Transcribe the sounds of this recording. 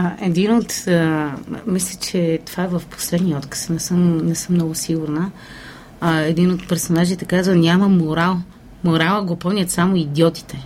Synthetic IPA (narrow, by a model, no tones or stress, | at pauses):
ɛd̪inot̪ | mislʲət͡ʃɛt̪ovaɛvəfpo̥slɛd̪niɔt̪kə̥snɛsəmnɛsɤmːnɔɡʊsiɡʊɾnə | ɛd̪inot̪pɛɾsonaʒit̪ɛkazvənʲaməmoɾalˠ | moɾalˠəɡopɔmnʲət̪samoid̪jɔt̪i̥t̪ɛ